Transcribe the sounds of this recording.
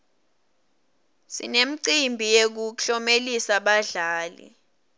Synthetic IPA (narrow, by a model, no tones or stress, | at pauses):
sḭnem̩ǀimbʱijek̬uɬɔmelisaɓaɮaːlḭ